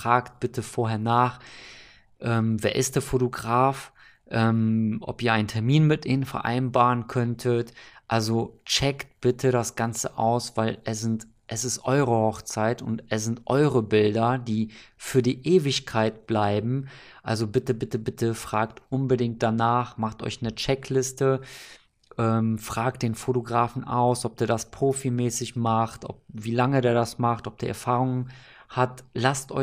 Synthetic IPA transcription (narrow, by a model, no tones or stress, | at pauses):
fʁ̥aːkt̚b̥ɪtʰəfoːɐɦeːɐnaːχ | ʔɛːmveːɐʔɪst̚d̥eːɐfotoɡʁaːf | ʔɛːmʔɔ̰piːɐaɪntʰɛɐmiːnmɪtʔiːnənfɛɐʔa̰ɪnbaːʁənkʰœntʰətʔalzot͡ʃɛkt̚b̥ɪtʰəɾasɡ̥ant͡sə̰ʔa̰ʊsv̥aɪlɛsɪnt | ʔɛsɪstʔɔʏʁəhɔχt͡saɪtʊ̰ntɛs̬z̥ɪntʔɔ̰ʏʁəbɪldɐdiːfyːɐdiːʔeːvɪçkʰaɪt̚b̥laɪbm̩ | ʔalzobɪtəbɪtəbɪtəfʁ̥aːktʔʊnbədɪŋkt̚d̥anaːχmaχtʔɔ̰ʏçnət͡ʃɛkʰlɪstə | ʔɛːmfʁ̥aːk̚t̚d̥eːnfotoɡʁaːfn̩ʔa̰ʊsʔɔp̚diːɐdaspʁ̥oːfimɛːsɪçmaχtʔɔ̰p̚viːlaŋəɐdeːɐɾasmaχtʔɔp̚d̥iːɐʔɛɐfaːʁʊŋən | hatlastʔɔ̰